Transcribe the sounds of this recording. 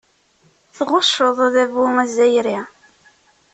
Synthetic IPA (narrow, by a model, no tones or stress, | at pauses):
θʁʊʃːəðˤðævʊŋæzæjɾi